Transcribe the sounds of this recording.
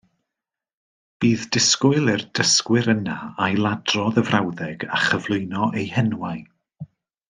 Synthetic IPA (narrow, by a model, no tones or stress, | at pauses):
b̥iːðdɪskʊɨlˠɪrd̥əskwɪɾənaajlˠadrɔðəvrawðɛɡaχəvlˠʊɨnɔʔejhɛnwaj